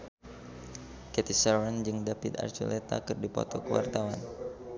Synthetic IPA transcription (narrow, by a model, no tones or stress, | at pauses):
kɛt̪isawənd͡ʒɨŋdapit̪a̰rt͡ʃulɛt̪akɨrdipɔ̰t̪ɔkəwa̰rt̪awan